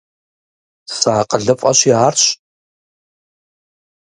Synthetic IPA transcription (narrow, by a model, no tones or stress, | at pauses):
saːqəɮɨfʼɐɕiʕaːrɕ